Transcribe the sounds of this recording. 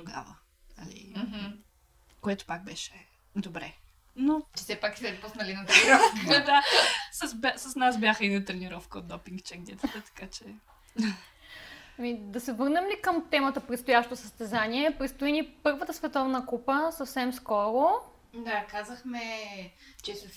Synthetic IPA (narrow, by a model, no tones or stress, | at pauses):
t̪oɡa̰və | ɐ̰lḭmɦ̩ | koɛt̪o̥pak̚bɛʃɛ | d̪obɾɛ | nosɛpaksɛpusnɐlinɐt̪ɾɛniɾɔfkd̪asɐsbʲasəsnasbʲjaxəinət̪ɾɛniɾɔfkəo̰t̪̚d̪ɔpiŋkt͡ʃɛɡnʲɛt̪ət̪ət̪ɐ̥kat͡ʃɛ | ɐmid̪ɐsɛvɤɾnɛmlikəmt̪ɛmət̪əpɾɛt̪st̪ojaʃt̪ot̪osəst̪ɛzaniɛpɾɛt̪st̪oinipɤɾvət̪əsvɛt̪ɔvnəkupəsəfsɛmskɔɾo | d̪akazəxmɛ | t͡ʃɛs